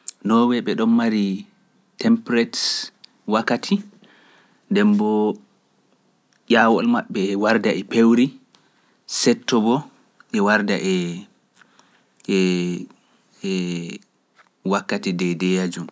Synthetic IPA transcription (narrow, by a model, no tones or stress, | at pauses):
nɔwɛɓɛɗɔmːaɾi | tɛmpɾɛt | wakːatʰi | ndɛmbɔ | jawɔlmaɓːɛwaɾdaʔɛpewɾi | sɛtːɔbɔ | ʔɛwaɾda̰ʔɛ | ɛ | wakːatidɛdɛjad͡ʒum